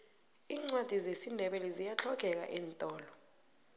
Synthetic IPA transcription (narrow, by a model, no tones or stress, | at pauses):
iːŋ͡ǀwad̥ʱizesindʱɛɓɛlɛzijat͡ɬʰɔɡ̥ʱɛk̬a̰ʔɛːntʼɔːlɔ